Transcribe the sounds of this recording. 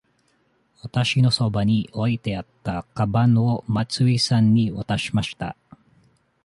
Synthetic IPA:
wat̪aɕino̞so̞baɲ̟io̞it̪e̞at̪ːakabãɰo̞mat͡sɨisãɲ̟ːiβat̪aɕimaɕi̥t̪a̰

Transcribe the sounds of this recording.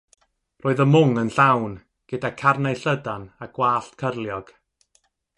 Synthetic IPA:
rʔoːɨðəmʊŋənɬawn | ɡ̥ədakʰarnaɬədanaɡ̥waːɬtkʰərlˠjɔɡ̥

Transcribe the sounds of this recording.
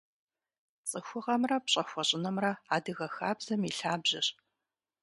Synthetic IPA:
t͡sʼɨxʷʊʁɐmrɐpɕʼɐxʷɐɕʼɪnɐmrɐaːdɨɣɐxaːbz̥ɐmiɬaːbʑɐɕ

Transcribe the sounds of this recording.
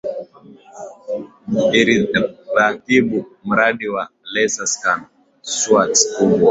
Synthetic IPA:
iɾiɾakiɓum̩ɾaɗiwalɛsaskan | suatkubwa

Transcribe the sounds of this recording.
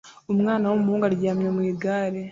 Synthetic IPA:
umŋaːnawumuhuːŋɡaɾɟaːmɲemwiːɡaːɾe

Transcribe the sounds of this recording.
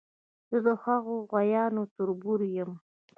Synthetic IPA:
z̥əd̪əhaɣoɣwajɑnot̪ʊɾbuɾjəm

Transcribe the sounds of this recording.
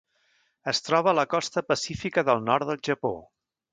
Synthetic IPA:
əst̪ɾɔβələkɔst̪əpəsifikəðəlˠnɔɾt̪d̪əlˠʒəpo̰

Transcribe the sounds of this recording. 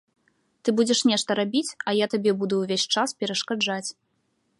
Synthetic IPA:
t̪ɨbud͡zʲɛʂnʲɛʂt̪ɐɾabʲit͡sʲɐjat̪abʲɛbud̪uwvʲesʲt͡ʂaspʲɛɾɐʂkad͡ʐat͡sʲ

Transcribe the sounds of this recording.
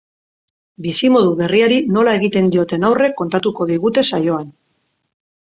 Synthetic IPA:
bisimo̞ðuβe̞riaɾino̞lae̞ɣit̪e̞nd̪io̞t̪e̞nawre̞kːo̞nt̪at̪uko̞ðiɣut̪e̞sajo̞an

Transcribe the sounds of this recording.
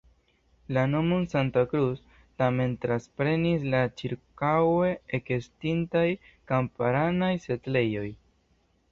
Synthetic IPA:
lano̞monsantakɾus | tame̞ntɾaspɾe̞nislat͡ʃiɾkawe̞ekestintaj | kampaɾanajse̞tle̞jo̞j

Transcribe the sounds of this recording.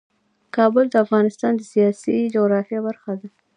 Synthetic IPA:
kɑbʊld̪əafɣɑnɪst̪ɑnd̪əsijɑsid͡ʒoɣɾɑfjabaɾxad̪a

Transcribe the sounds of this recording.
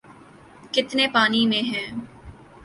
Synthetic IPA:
kɪt̪nepaːnimẽɦɛ̃ː

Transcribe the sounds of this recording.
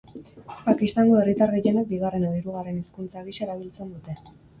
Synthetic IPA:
pakist̪aŋɡoe̞rit̪aɾɣijenek̚biɣare̞noðiɾuɣ̞are̞niskunt͡saɣiʃaeɾaβ̞ilt͡se̞nd̪ut̪e̞

